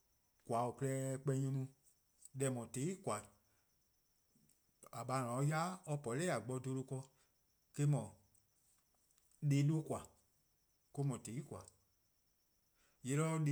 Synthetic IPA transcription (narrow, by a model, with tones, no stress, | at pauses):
kwa˨o˨klɛ˧˦k͡pɛ˧˦ɲõ˧nũ˧ | lɛ˨mɔ̃˨te˨˦i˦kwa˨ | a˨ɓa˨lɔ̃˨˧˦ja˦ɔ˧pɔ˨lɛː˦˨a˨ɡ͡bɔ˧˦do˧lo˧kɔ˧ | ke˧˦mɔ̃˨ | leː˨˦do˦kwa˨ | ko˧˦mɔ̃˨te˨˦i˦kʷa˨ | je˨˦lɔ˧˦˧le˨